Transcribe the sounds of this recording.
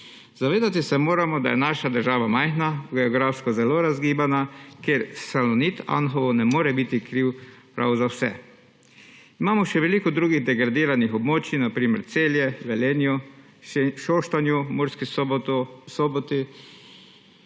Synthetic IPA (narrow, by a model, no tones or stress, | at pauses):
zaʋeːd̪at̪isɛmoːɾamɔd̪a̰jɛ̰naːʃad̪əɾʒaːʋamajxnaɡɛɔɡɾafskɔzɛloːɾazɡiːbanakeɾsalɔnit̪a̰nxɔʋɔnɛmoːɾɛbit̪ikɾiwpɾʔa̰wzawsɛ̰ | imaːmɔʃɛʋɛliːkɔd̪ɾuːɡiɣd̪ɛɡɾad̪iːɾanixɔbmoːt͡ʃinapɾiːmɛ̰ɾt̪seːljɛʋɛlenju | ʃoːʃt̪anjumuɾski | sɔbɔt̪i